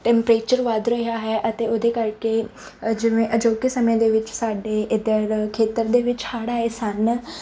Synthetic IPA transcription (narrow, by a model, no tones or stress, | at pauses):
ʈɛ̃ːmpɾeːt͡ʃəɾʋad̪ɾəɦjaːɦɛʔət̪eːoːd̪eːkəɾke | d͡ʒɪnẽːʔəd͡ʒoːkisəmẽd̪eːʋɪt͡ʃsaːɖeːɪd̪əɾkʰeːt̪əɾd̪eːʋɪt͡ʃsaːɽaːesən